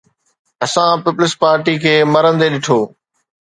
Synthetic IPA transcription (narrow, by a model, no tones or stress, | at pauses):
ɐsãpɪplɪspaːɾʈikʰeːmɐɾə̃nd̪eɗɪʈʰoː